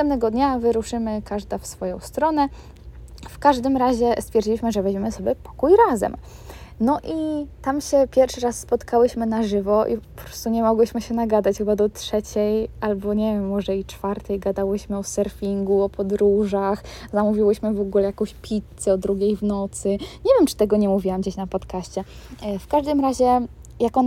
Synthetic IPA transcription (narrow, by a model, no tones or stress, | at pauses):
t̪ɛmpnɛɡɔd̪ɲavɘɾuʂɘmɘkaʐd̪afsfɔjɔ̃w̃st̪ɾɔnɛ | fkaʐd̪ɘmɾaʑɛst̪fʲjɛɾd͡ʑiwiɕmɘʐɛvɛd͡ʑmimɘsɔbʲjɛpɔ̥kujɾazɛ̰m | nɔʔit̪amɕɛpʲjɛɾfʂɘɾasːpɔt̪kawɘɕmɘnaʐɘvɔʔḭpɔpɾɔ̥st̪uɲɛmɔɡwɘɕmɘɕɛnaɡad̪at͡ɕxɘbad̪ɔt̪ʂɛt͡ɕɛjalbɔɲɛvʲjɛmːɔʐɛit͡ʂfaɾt̪ɛjɡad̪awɘɕmɘɔsɛɾfʲiŋɡuɔpɔd̪ɾuʐaxzamuvʲiwɘɕmɘvɔɡulɛjakɔ̃w̃ɕpʲʰit̪sɛɔd̪ɾuɡʲejvnɔt̪sɘɲɛvʲjɛmt͡ʂɘ̥t̪ɛɡɔɲɛmuvʲiwamd͡ʑeɕnapɔt̪kaɕt͡ɕɛfkaʐd̪ɘmɾaʑɛ | jakɔn